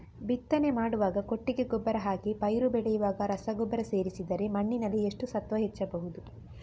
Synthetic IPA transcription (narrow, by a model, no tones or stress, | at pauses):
bit̪ːɐne̞maːɽuʋaːɡɐko̞ʈːiɡe̞ɡɔbːɐɾɐɦaːkipɐjɾubɛɭɛjuʋaːɡɐɾɐsɐɡɔbːɐɾɐse̞ːɾisid̪ɐɾe̞mɐɳːinɐlːieʂʈusɐt̪ʋɐɦet͡ʃːɐbɐɦud̪u